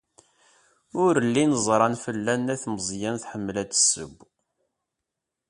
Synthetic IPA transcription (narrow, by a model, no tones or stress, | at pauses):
ʊɾəlːinəzˤɾˤɑnfəlːænːæθməzˤjænθħəmːlæd̪ə̥sːə̰bː